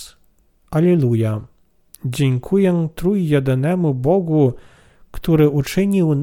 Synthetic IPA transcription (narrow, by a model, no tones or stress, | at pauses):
alʲɛluja | d͡ʑeŋkʰujɛt̪ɾujjɛd̪ɘnɛmubɔɡu | kt̪uɾɘʔut͡ʂɘɲiwn